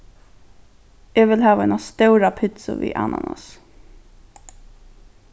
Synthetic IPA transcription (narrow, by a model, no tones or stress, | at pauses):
ɛːʋɪlɦaːʋaɛnast̪ɛwɾapʰɪt̪sʊ̰ʋḭːʔa̰ːna̰nas